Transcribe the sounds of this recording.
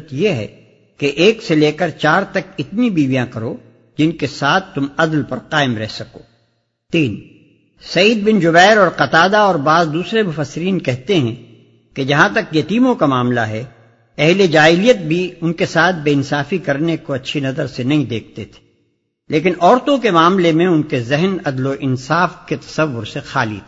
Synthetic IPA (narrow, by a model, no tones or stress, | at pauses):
t̪jeɦɛ̰ | keʔeːkseleːkəɾt͡ʃaːɾt̪ɐkɪt̪nibiːʋijãkɐɾo | d͡ʒɪnkesaːt̪ʰt̪ːʊmɐd̪lpɐɾqaːɪmɾɛɦsɐkoː | t̪iːn | sɐjiːd̪̚bɪnd͡ʒʊbɛːɾɔːɾqɐt̪aːd̪aɔːɾbaːzd̪uːsɾemʊfəsːɪɾiːnkɛɦt̪eɦɛ̃ | ked͡ʒɐɦãt̪ɐkjɐt̪iːmõkamaːmlaɦɛ | ɛɦled͡ʒaːɪlijət̪̚bʱiʊnkesaːt̪̚ʰbeːɪnsaːfikɐɾnekoɐtːʃʰinɐzəɾsenɐɦĩd̪eːk̚ʰt̪et̪ʰe̥ | leːk̬ɪnɔːɾt̪õkemaːmlemẽʊnkezɛɦnɐd̪loʔɪnsaːfket̪ɐ̥sɐʋːʊɾsexaːlḭt̪ʰː